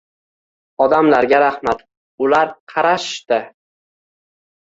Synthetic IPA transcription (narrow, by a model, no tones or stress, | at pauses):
ɒd̪amlaɾɡʲaɾahmat̪ | ʊlaɾqʰɑɾaʃt̪ɪ